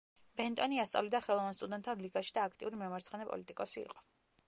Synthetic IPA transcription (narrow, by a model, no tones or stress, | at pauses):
b̥ɛnt̪ʼɔniast̪sʼa̰vlid̪aχɛlˠɔvanst̪ʼud̪ɛnt̪ʰːanliɡaʃi̥d̪aːkʰt̪ʼiuɾimɛmaɾt̪sʰχɛnɛpʼɔ̰lit̪ʼikʼɔsiḭqʼɔ̥